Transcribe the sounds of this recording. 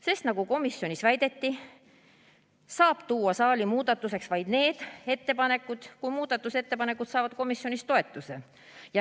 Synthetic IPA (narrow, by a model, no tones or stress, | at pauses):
se̞st̪nɑɡ̥uko̞misːjo̞nʲisvæjd̪e̞t̪ːi | sɑːb̥t̪uːɑsɑːlimuːd̪̥ɑt̪ːˑuse̞ksvɑjd̪̥ne̞ːd̪̥e̞t̪ːe̞pɑne̞kːˑud̪̥kujmuːd̪̥ɑt̪ːˑuse̞t̪ːe̞pɑne̞kːˑut̪sɑːvɑd̪̥̚ko̞misjo̞nist̪o̞e̞t̪ːˑuse̞ | jɑ